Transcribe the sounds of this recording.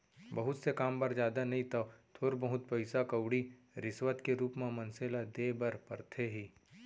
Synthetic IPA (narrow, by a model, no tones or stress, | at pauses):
bɐɦʊt̪sekaːmpɐɾd͡ʒjaːd̪anɐɦĩt̪ɐt̪ʰoːɾbɐɦʊt̪̚pɐɪsakɐwɽi | ɾɪswət̪keɾuːpmãmɐ̃nseːlad̪eːbɐɾpɐɾt̪ʰeɦiː